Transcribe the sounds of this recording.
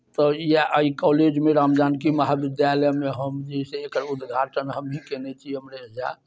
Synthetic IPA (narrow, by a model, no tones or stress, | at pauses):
t̪ɔjaʔəikɔled͡ʒmeɾamd̪ankiməɦabid̪jaləmeɦəmd͡ʒɛseekəɾud̪ɡʱaʈənɦəmɦikɛnɛt͡ʃʰiəmɾeɦd͡ʒa